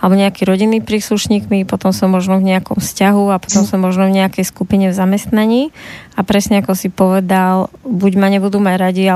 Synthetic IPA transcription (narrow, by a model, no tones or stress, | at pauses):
alɛbɔɲɛakiɾɔɟinːipɾiːsluʃɲiːkmipɔt̪ɔmsɔmːɔʒnɔvɲɛakɔmfscaɦuapɔ̥t̪ɔmsɔmːɔʒnɔvɲɛakɛjskupiɲɛvzamɛst̪naɲiːapɾɛsɲɛakɔsipɔʋɛd̪albuɟmaɲɛbud̪uːmaɟɾaɟia